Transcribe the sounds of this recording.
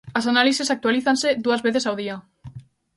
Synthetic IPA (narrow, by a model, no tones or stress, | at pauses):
asanalisesak̚t̪waliθanseðuazβeθesawð̞ia